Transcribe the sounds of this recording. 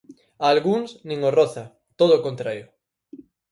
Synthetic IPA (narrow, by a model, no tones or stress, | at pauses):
alɣuŋsnĩŋorɔθɐ | t̪oðoːkont̪ɾaɾjʊ